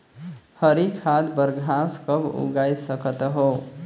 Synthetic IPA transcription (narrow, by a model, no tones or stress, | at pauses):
həɾikʰad̪bəɾɡʱãskəbṵɡajsəkət̪ɦo